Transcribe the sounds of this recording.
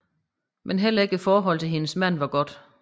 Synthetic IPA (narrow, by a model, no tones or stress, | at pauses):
mʔenɦel̰ɐe̝ɡ̥əfɒːɦɒ̽l̰t͡sʰe̝lhe̝nəsmæn̰ʋɑ̈ɡ̥ɒ̽d̥